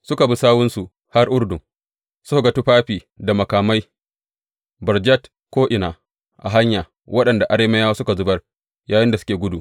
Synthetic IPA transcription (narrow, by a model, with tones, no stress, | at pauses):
sʊ˦ka˨bi˦saː˦wʊ˦nsu˨ | ha˦rʔʊ˦ɽdʊ˨ŋ | sʊ˦hʊ˨ɡɐ˨tu˦ɸaː˦ɸiː˨ | da˨mɐ˨kaː˨ma˦j | bɐ˨rd͡ʒa˦t | kʷoː˦ʔɪ˨naː˨ | ʔa̰˨ɦa˦ɲjaː˨ | wʔɐ˦ɗɐ˨nda˨ʔa˨ɽeː˦me˦jaː˦wa˦sʊ˦ka˨zʊ˦bɐ˦r | jaː˨jɪ˦nda˨sʊ̥˦kʲeː˨ɡʷʊ˦duː˨ʔ